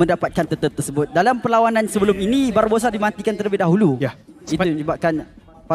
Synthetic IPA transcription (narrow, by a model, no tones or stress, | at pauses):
mə̃ndapat̪̚kant̪ət̪əp̚t̪ərsəbʊt̪̚dalampəlawanansəbəlʊminĩbaɾubos̬adimãnt̪ikant̪ərləbɪhdaɦulujit̪umə̃ɲəbap̚kan | pa